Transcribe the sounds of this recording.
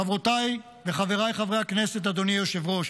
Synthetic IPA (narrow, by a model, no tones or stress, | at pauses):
avʁot̪aj | veχave̞ʁajχavʁehaknese̞t̪̬ad̪o̞nijoʃevʁo̞ʃ